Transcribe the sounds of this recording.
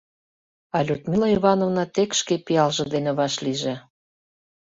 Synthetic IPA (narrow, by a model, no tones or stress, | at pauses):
ɑlʲut̪mʲilɑiβɑnovnɑt̪ekʃkepiɑlʒɤ̆d̪enĕβɑʃliʒĕ